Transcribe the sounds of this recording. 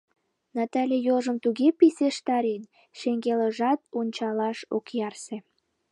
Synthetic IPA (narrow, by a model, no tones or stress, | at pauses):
nɑt̪ɑlʲejoʒəmt̪uɣepiseʃt̪ɑɾen | ʃeŋɡeləʒɑt̪onʲt͡ɕɑlɑʃo̰kjɑrsĕ